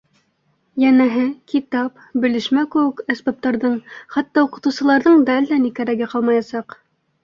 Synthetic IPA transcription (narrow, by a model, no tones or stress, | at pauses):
jænæɦɘkit̪ɑp | bɘ̆lɘ̆ʃmækɘ̆wɘkæsbɑp̚t̪ɑɾðɤɴχæt̪ːɑuqɤ̆t̪ɤ̆wsɤ̆lˠɑɾðɤɴd̪æld̪ænikæɾæɡɘqɑlˠmɑjɑsɑq